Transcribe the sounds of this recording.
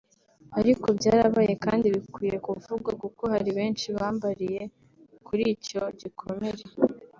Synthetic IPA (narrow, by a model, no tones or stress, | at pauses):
aɾikobɟaːɾaβaje̞kaːndiβikwiːje̞kuvuɡwaɡuko̞haɾiβe̞ːnt͡ʃiβaːmbaɾije̞ | kuɾiːco̞ɟikʰo̞me̞ɾe̞